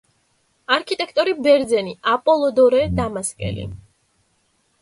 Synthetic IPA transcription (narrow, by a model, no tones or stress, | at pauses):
aɾkʰit̪ʼɛkʰt̪ʼɔɾibɛɾd̪zɛniapʼɔlˠɔd̪ɔɾɛd̪amaskʼɛ̰lḭ